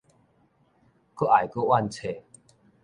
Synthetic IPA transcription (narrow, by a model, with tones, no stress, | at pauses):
kə˥˦ʔa˨˩jkə˥˦ʔwa˥˧nt͡sʰe˨˩